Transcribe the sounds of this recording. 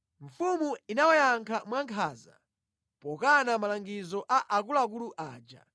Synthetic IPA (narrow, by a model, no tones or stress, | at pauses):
ɱ̩fumuinawɔjaŋkʰamwaŋkʰaːza̰ | pɔkanamalaŋɡizɔʔaʔakulak̬uluʔaːd͡ʒa̰